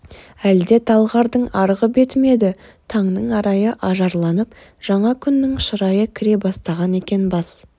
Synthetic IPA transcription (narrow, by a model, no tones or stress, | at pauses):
æld̪e̞t̪ʰɑlˠʁɑɾd̪əɴɑɾʁəbe̞t̪ɪme̞d̪ɪ | t̪ʰɑɴnəɴɑɾɑjəʔɑʒɑɾlˠɑnəp | ʒ̥ɑɴɑkʲʰʏnːɪŋʃəɾɑjəkʲʰɪɾe̞bɑst̪ɑʁɑne̞kʲe̞nbɑs